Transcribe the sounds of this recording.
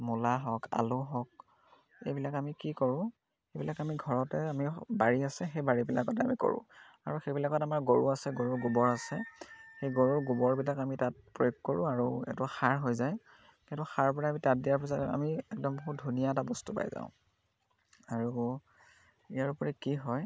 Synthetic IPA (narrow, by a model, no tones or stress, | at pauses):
mɔlaɦɔka̰lʊɦɔk̚ | ḛjbilakamikikɔɹʊ̃ | xejbilakamiɡʱɔɹɔtɛamibaɹiasɛxejbaɹibila̰kɔtɛamiko̰ɹʊ̰̃ | a̰ɹuxejbilakɔtamaɹɡoɹuasɛɡoɹuɹɡubɔɹasɛxejɡoɹuɹɡubɔɹbilakamitat̚pɹojoɡkoɹʊ̃aɹuɛ̰tʊxaɹɦojzaj | kɛ̃tʊxaɹpɔɹaaːmitat̚dijaɹpis̬aɛa̰miɛk̚dɔmboɦut̚dʱunijaɛtabɔstupa̰jza̰ʊ̃ | aɹu | ijaɹupɔɹikiɦɔj